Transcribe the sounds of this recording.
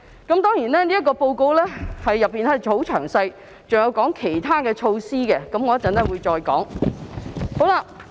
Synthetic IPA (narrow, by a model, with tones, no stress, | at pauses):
kɐ˨˥mt̪ɔː˥ŋjiː˨˩nɛː˥niː˥ɐ˥k̬ːɔː˧po˧wko˧˥wlɛː˥hɐ˨jːɐ˨pːiː˨nɛ˨˥t͡sʰo˨˥wt͡ʃʰœ̰ː˨˩ŋsɐ˧j | t͡sʊ˨ŋjɐ˨˧wkɔː˨˥ŋkʰe˨˩jt̪ʰaː˥kɛː˧t͡ʃʰo˧wsiː˥kɛ˧kɐ˨˥mŋɔː˨˧ɐ˥t͡sɐ˨˥nɛː˥wuː˨˧jt͡sɔː˧jkɔ̰ː˨˥ŋ | ho˨˥wlaː˧